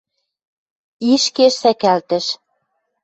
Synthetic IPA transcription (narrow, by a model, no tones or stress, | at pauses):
iʃkeʃsækælt̪ə̆ʃ